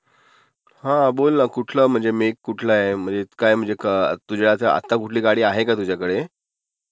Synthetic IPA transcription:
hãbolnakuʈʰləːm̤əɳd͡zemekkːuʈʰlaem̤əɳd͡zekajm̤əɳd͡zekat̪ud͡ʑelat̪əa̰t̪ːakuʈʰliːkaɽiːaɦekat̪ud͡ʑjakəɽe

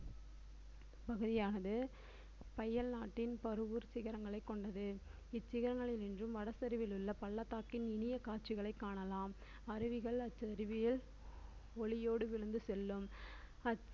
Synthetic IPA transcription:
pɐɣɯðɪjaːnɐðɯ | pɐjɐɭnaːʈːɪnpɐɾɯʋɯɾsɪɣɐɾɐŋɡɐɭɐɪkːɔɳɖɐðɯ | ɪt͡ʃːɪɣɐɾɐŋɡɐɭɪnɪndrɯmʋɐɽɐsɐɾɪʋɪlɯɭːɐpɐɭːɐt̪ːaːkːɪnɪnɪjɐkaːt͡ʃɪɣɐɭɐɪkːaːɳɐlaːm | ɐɾɪʋɪɣɐɭɐt͡ʃːɾɪʋɪjɪl | ɔɭɪjoːɽɯʋɪɻɯnd̪ɯsɛlːɯm | ɐ

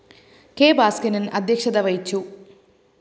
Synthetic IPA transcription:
keːbaːskɐnɐnʔɐd̪ʱjɐkʂɐd̪ɐʋɐjit͡ɕːu

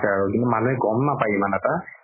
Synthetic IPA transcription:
sɛaɹukintumanuɦɛɡɔmnapajmanɛta

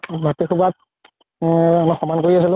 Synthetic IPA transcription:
matikʰubat̚ | nɔxɔmankoɹiasilʊ̃

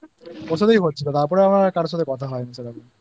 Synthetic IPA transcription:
pɔsʰod̪ejɦotːt͡ʃʰilɔt̪aɾpɔɾeamɳakaɾsɔt̪ekɔt̪ʰaɦɔjnisʰad̪ab

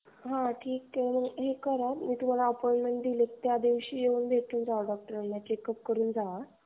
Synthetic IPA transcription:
ɦãʈʰiːkːeməɡɦekəɾat̪miːt̪um̤alaəpojɳʈmẽɳʈ̚d̪ilek̚t̪jad̪iʋɕiːjeuːnb̪ʱeʈʰuːnd͡zaʋəɖɔk̚ʈəɾənːjat͡ɕekəp̚kəɾuːnd͡zaʋa

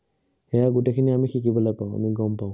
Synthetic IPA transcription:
hɛjaɡutekʰiniamixikibɔlojpaʊ̃a̰miɡɔmpaʊ̃

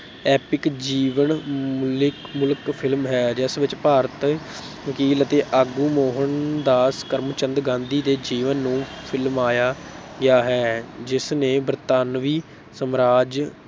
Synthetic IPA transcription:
ɛːpɪkd͡ʒiːʋənmʊlkmʊlkpʰɪlmɦɛːd͡ʒɪsʋɪt͡ʃpaːɾət̪ | ʋəkiːlət̪eːʔaːɡuːmoːɦənd̪aːskəɾmt͡ʃə̃nd̪ɡãːnd̪iːd̪eːd͡ʒiːʋənːũːpʰɪlmaːjaːɡɪaːɦɛːd͡ʒɪsneːbəɾt̪aːnʋiː | səmɾaːd͡ʒ

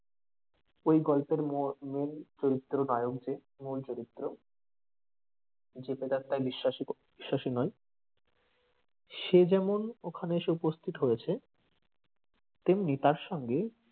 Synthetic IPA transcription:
ojɡɔlpeɾmment͡ɕoɾit̪ːɾonɔejokd͡ʑe | mult͡ɕoɾit̪ːɾo | d͡ʑeped̪aɾt̪ːajbiʃːaʃibiʃːaʃinɔj | ʃed͡ʑɛmonokʰaneeʃeupost̪ʰit̪ɦojet͡ɕʰe | t̪emnit̪aɾʃɔŋɡe

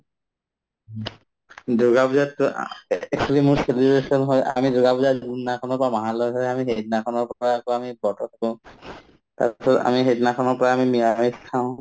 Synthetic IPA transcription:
doɡabuzatːʊ̰ɛksɔlimuɹselibesɔnɦɔjʔa̰midoɡabuzazɡunnakʰɔnɔɹpɔamaɦalɔɦɔjamiɦed̚nakʰɔnɔɹpakɔamibɔtʰɔt̪ʰakɔ̃ | ta̰sɔta̰miɦetnakʰɔnɔɹpɔɹaːmimiamestʰãʊ̃

